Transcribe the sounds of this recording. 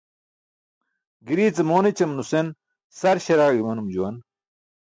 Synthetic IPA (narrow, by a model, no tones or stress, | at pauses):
ɡiɾiːt͡sɐmoːnit͡ɕɐmnusen | sɐɾɕɐɾaːɡimɐnumd͡ʑuwɐn